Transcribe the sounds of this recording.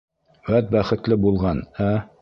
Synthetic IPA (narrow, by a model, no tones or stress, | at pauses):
wæt̪̚bæχɘ̆t̪lɘbulˠʁɑnæ